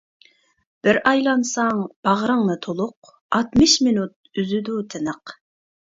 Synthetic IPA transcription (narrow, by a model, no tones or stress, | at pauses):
b̥ɪɾʔɑjlˠɑnsɑŋb̥ɑʁɾɨŋnɨt̪ʰolˠʊq̚ | ɑt̪mɨʃminut̪̚yzyd̪ut̪ʰɪnəq